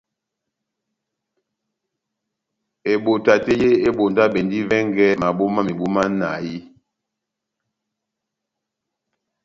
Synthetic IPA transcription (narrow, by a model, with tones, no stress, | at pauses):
e˨ɓo˨ta˨te˦je˦e˦ɓo˨nda˦ɓe˨ndi˦vɛ˦ŋɡɛ˦ma˨ɓo˦ma˦mi˨ɓu˦ma˦na̰˨ji˦